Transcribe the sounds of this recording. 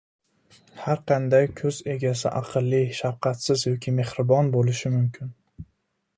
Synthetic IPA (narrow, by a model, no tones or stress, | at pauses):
haɾqʰɑnd̪ajkʲʰɵze̞ɡʲas̬ɪ̰ʔaɑqʰɨlˠːiʃaɾqʰɑt̪sɪzjɒkʲʰɪme̞hɾɪbɒnbolɪʃɪmʊmkʲʰɪn